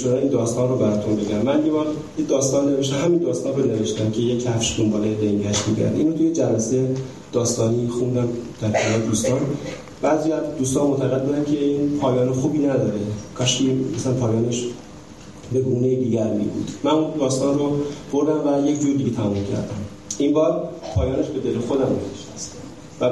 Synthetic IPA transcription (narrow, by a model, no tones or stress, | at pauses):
t͡ʃʰonɒiːnd̪ɒːst̪ɒːnrobæɾɒːt̪ʰonbe̞ɡʲæmːænjevɒɾ | ed̪ɒːst̪ɒːnːeveʃ̬t̪æmɦæmiːnd̪ɒːst̪ɒːnɾone̞veʃt̪æmcʲʰe̞jecʰhæfʃd̪ombɒːleleŋɟæʃmḭɡæ̰ɾd̪ʔḭnot̪ʰujed͡ʒævæse | d̪̥ɒːst̪ɒːniːxund̪æmd̪̥æɾkʰænɒjed̪uːst̪ɒːn | b̥æːziæzd̪uːst̪ɒːnmot̪ʰæɣed̪̚buːd̪ænkcʰe̞iːnpʰɒːjɒːnexuːbiːnæd̪ɒːɾekʰɒʃiæsænpʰɒːjɒːneʃ | be̞ɡuːnejid̪iːɟæɾmḭbṵːd̪̥mænund̪ɒːst̪ɒːnrob̥oɾd̪æmvæjecʰd͡ʒuːɾd̪iːɟet̪ʰæmumcʰæ̰ɾd̪æm | inbɒːɾpʰɒːjɒːne̞ʃbe̞d̪e̞lexo̞d̪æmneveʃt̪æst̪ | væ